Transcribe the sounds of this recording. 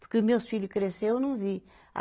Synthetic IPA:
puɾkumewsfiʎukɾesewnɐ̃w̃vi | a̰

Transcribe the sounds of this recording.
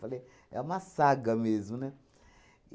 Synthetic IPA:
fale | ɛ̰mãsaɡamezmũnɛ

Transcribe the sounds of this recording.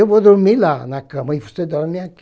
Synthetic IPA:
ewvod̪oɾmilanakɐ̃mɐivosed̪ɔɾmiak

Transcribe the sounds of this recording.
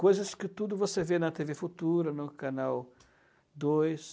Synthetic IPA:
kojzɐskɪt̪ud̪ʊvosevenɐt̪evefut̪uɾɐnʊkanaw | d̪ojs

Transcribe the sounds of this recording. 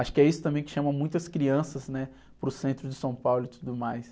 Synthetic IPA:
aʃʊ̥kɪɛisʊt̪ɐ̃mbẽj̃kɪ̥ʃɐ̃mɐ̃mũj̃t̪ɐskɾiɐ̃sɐznɛ | pɾʊsẽnt̪ɾʊd͡ʒɪsɐ̃w̃pawlʊɪt̪ud̪ʊmajs

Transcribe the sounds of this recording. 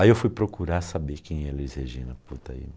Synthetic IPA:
aiewfujpɾokuɾasabekʰẽj̃ɛlezheʒĩnɐput̪ɐḭ

